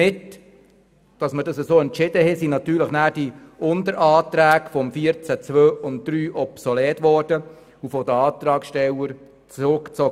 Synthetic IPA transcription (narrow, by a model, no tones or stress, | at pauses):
ɪt | d̥ɑsmədɑsəsoːɛntt͡ʃɪd̥əhɛsinɑtyːləχnæːd̥iʊndəɾʔɑːt̪ɾæːkfɔmfiəɾt͡sæt͡sʋøːʊnt̚d̥̪ɾyːʔɔpsɔlɛːtʋɔːrd̥ə | ufɔdəɑːt̪ɾɑːkʃtɛləɾ | t͡sɾʊkt͡sɔ